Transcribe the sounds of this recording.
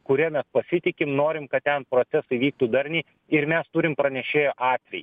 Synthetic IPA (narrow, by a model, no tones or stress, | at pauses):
kʊɾʲiɛmʲɛspɐsʲɪt̪ʲɪkʲɪmnoːɾʲɪmkɐt̪̚t̪ʲɛnpɾoːtsʲɛsɐɪʋʲiːk̚t̪uːd̪ɐɾʲnʲɛɪ | ɪɾmʲɛst̪ʊɾʲɪmpɾɐnʲɛʃʲeːjoːʔɑːt̪ʲʋʲɛj